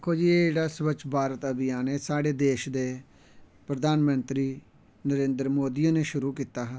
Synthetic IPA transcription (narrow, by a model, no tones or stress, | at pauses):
kʰːoːd͡ʒiːeːeɽaːsʋət͡ʃʰbʱaːɾət̪əbɪjãːneːsaːɽeːd̪eːʃd̪eː | pɾəd̪aːnmənt̪ɾiː | nəɾẽːnd̪ɾmoːd̪iːneːʃʊɾuːkiːt̪aːɦɛː